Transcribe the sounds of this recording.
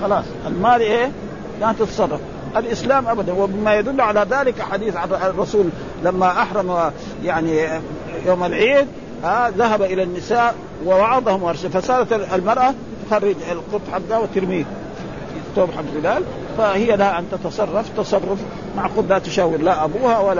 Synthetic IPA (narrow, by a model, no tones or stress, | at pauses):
xɑlɑːsˤʔalmaːliʔeː | laʔant̪ɪt̪sˤɑrˤːɑf | ʔalʔɪslaːmʔabad̪anwɪbɪmajad̪ʊlːuʕalaðaːlɪkʔaħaːd̪iːθʕarˤɑsuːl | lamːaʔaħɾˤɑm | jaʕni | joːmalʕiːd̪̚ | aðaɦabaʔɪlanːɪsaːʔ | wɪwɑʕɑd̪ˤɑhʊmwɑɾˤʃafasaːd̪aalmɑɾˤʔa | t̪xarˤːɪd͡ʒalqʊt̪ˤːħaɡːawɪt̪ɪɾmiːð | fit̪ːoːbħaɡɾɪlaːl | fahijːalahaʔant̪at̪ɑsˤɑrˤːɑft̪ɑsˤɑrˤːʊf | maʕqʊd̪ːaːt̪ʊʃaːwɪɾlaʔabuːhawalːa